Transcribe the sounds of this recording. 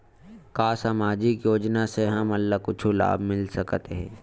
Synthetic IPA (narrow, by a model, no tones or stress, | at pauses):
kaːsaːmaːd͡ʒɪkjoːd͡ʒnaseɦɐmɐlːakʊt͡ʃʰula̰ːbʱmɪlsɐkt̪eɦɛ̰̃ː